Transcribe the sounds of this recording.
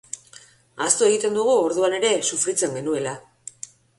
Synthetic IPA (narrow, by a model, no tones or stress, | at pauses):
ast̪oe̞ɣ̞it̪e̞nd̪uɣ̞uo̞ɾðuane̞ɾe̞sufɾit͡se̞ŋɡe̞nue̞la